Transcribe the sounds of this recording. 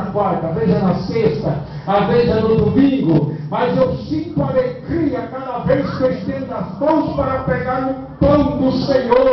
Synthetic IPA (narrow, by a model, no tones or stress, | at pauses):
kwaɾt̪ɐveʒɐnɐsest̪ɐ | aveʒɐnʊd̪ʊmĩŋɡʊmazewsĩt̪aɾekɾiɐkad̪ɐveskewʃt̪ẽɾnɐzmɐ̃w̃spaɾɐpeɡaɾʊ̃ | pɐ̃w̃d̪ʊsẽɲo